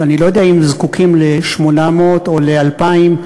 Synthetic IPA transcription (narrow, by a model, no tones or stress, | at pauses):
anilojo̞d̪eaimzkukʰimleʃmo̞namot̪o̞lealpaim